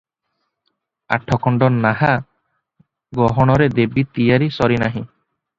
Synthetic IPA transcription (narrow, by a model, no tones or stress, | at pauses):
a̰ʈʰːɔkɔɳɖɔnaɦa | ɡɔɦɔɽ̃ɔɾed̪ebit̪ijaɾisɔɾinaɦĩ